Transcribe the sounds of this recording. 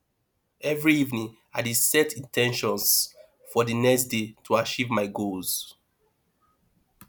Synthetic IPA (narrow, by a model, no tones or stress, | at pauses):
ɛvɹiivnĩŋ | adesɛtʰĩntʰɛ̃nʃɔ̃ns | fɔdinɛksdetʰuat͡ʃivmaɪɡolz̥